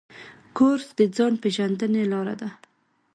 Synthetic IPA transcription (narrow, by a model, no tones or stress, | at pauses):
koɾsd̪əd͡zɑnpeʒand̪ənelɑɾa̰d̪a